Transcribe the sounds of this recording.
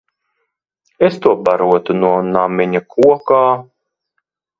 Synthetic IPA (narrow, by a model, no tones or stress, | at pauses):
est̪uɔbaɾuɔt̪unuɔnamʲiɲakʰuɔkaː